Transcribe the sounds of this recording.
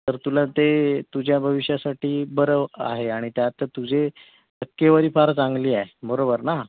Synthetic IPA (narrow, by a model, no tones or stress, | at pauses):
t̪əɾt̪ulat̪et̪ud͡ʑjabʱəʋiɕjasaʈiːbəɾəʋa̰ɦeaɽ̃it̪jat̪ət̪ud͡ʑe | əkːeʋaɾiːfaɾt͡sãŋɡliːaɦemoɾobəɾna